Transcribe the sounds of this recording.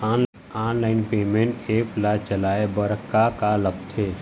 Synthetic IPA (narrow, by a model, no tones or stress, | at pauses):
aːn | aːnlaːɪnpeːmẽɳʈeːplat͡ʃəlaːebəɾkːakalək̚t̪ʰe